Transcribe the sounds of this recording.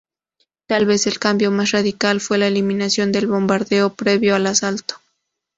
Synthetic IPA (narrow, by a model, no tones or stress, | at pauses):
t̪alβe̞se̞lkambjo̞masraðikalfwelaeliminasjo̞nd̪e̞lβo̞mbaɾðeopɾeβjoalasalt̪o̥